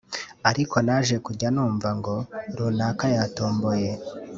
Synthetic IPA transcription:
aɾiko̞naʒekuɟanuːɱvaŋɡo̞ɾunaːkajatoːmbo̞je̞

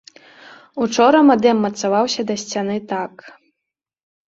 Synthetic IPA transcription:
ut͡ʂɔɾɐmad̪ɛmːɐt̪savawsʲɐd̪ɐsʲt͡sʲan̪ɨt̪ak

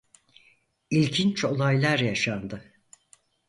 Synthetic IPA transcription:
ilʲcʰint͡ʃo̞lˠajlˠaɾjaʃand̪ɯ

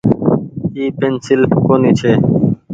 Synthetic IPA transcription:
iːpeːnsɪlkoːniːt͡ʃʰeː

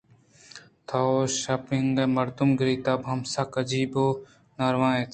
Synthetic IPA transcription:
t̪ʰaoʃɐpiŋɡemɐɾd̪umɡɾiːt̪ɐbɦɐmsɐkɐd͡ʒiːboː | nɐɾʋãːet̪ʰ

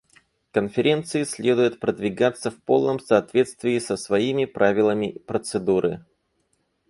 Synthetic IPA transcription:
kənfʲɪɾʲe̞nt̪sɨɪsʲlʲe̞d̪ʊjɪt̪pɾəd̪vʲɪɡat̪sːəfpo̞̰lˠnəmsɐːt̪vʲe̞t̪st̪vʲɪɪsəsvɐimʲɪpɾʔavʲɪlˠəmʲɪpɾət̪sɨd̪uɾɨ̰

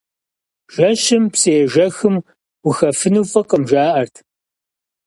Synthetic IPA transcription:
ʒ̥ɐɕɪmpseːʒɐxɨm | wʊxɐfɨnuːfʼɐqəmʒaːʔɐrtʰ

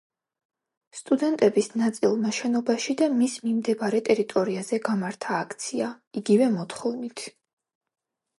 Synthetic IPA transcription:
st̪ʼud̪ɛnt̪ʼɛbisnat̪sʼilˠmaʃɛnɔbaʃid̪amismimd̪ɛbaɾɛt̪ʼɛɾit̪ʼɔɾiazɛɡamaɾt̪ʰaːkʰt̪sʰia | iɡivɛmɔt̪χɔvnit̪ʰ

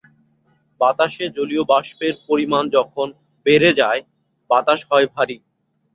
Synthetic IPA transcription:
bat̪aʃed͡ʑoliobaʃpeɾpoɾimand͡ʑɔkʰon | beɾed͡ʑae | bat̪aʃɦɔebʱaɾi

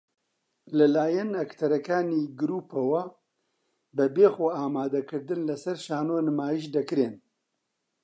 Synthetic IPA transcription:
lɨlaːjɛnɐkt̪ʰɐɾɐkaːniːɡɨɾuːpʰɐwɐ | bɨbeːxoaːmaːd̪ɐkʰɨɾd̪ɨnlɐsɐɾʃaːnoːnɨmaːjiʃd̪ɐkɨɾeːn

